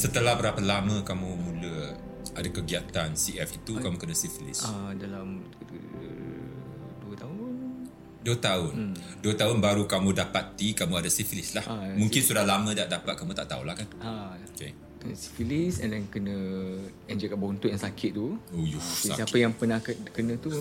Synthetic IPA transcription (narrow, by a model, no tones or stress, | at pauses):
sət̪əlahbəɾapalamə̃kamũmũlə | adakəɡiat̪ansiɛfit̪ukamukənãsifilḭsadalam | duət̪aʊn | duət̪aʊnduət̪aʊnbaɾukamũdapat̪ikamũadasifilɪslahamũŋkɪnsudahlamə̃daʔ̚dapat̪̚kamũt̪a̰ʔt̪aṵlahkanaoke | kənəsi̥filisɛndɛnkənə̃ | ɛnd͡ʒɛkaʔbaunt̪ʊʔjaŋsakʰɪt̪̚t̪ːuojussaapəjaŋpənahkənə̃t̪u